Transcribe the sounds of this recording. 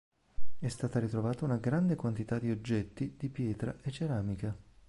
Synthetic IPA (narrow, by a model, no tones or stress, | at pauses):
ɛst̪aːt̪aɾit̪ɾovaːt̪aunaɡɾand̪ekwant̪it̪ad̪ːiod͡ʒːɛt̪ːid̪̥ipjɛːt̪ɾaʔet͡ʃːeɾaːmika